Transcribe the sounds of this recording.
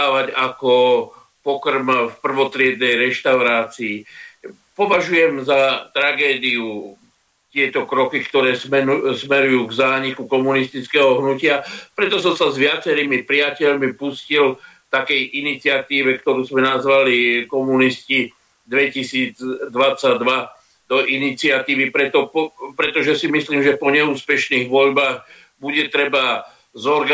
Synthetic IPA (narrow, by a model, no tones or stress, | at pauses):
aːʋaɟakɔ | pɔkrmfpr̩ʋɔt̪ɾɪɛd̪̚nɛjɾɛʃt̪aʊɾaːt͡siː | pɔʋaʒujɛmzat̪ɾaɡɛːd̪iu | t̪ɪɛt̪ɔkɾɔkikt̪ɔɾɛːsɛusmɛɾujuːɡzaːɲikukɔmunist̪it͡skɛːɦɔɦnucɪapɾɛt̪ɔsɔmsazʋɪat͡sɛɾimipɾɪacɛʎmipuscilft̪akɛjʔinit͡sɪat̪iːʋɛk̚t̪ɔɾuːzmɛnazʋalikɔmunisci | d̪ʋɛcisiːd͡zd̪ʋat͡sːad̪ʋa | d̪̥ɔʔinit͡sɪat̪iːʋipɾɛt̪ɔpɔpɾɛt̪ɔʒɛsimisliːmʒɛpɔɲɛuːspɛʃniːɣʋɔʎbaːɣ | buɟɛt̪ɾɛba | zɔɾɡa